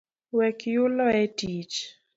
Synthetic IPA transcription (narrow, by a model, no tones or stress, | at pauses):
wɛkjʊlɔɛtit͡ʃ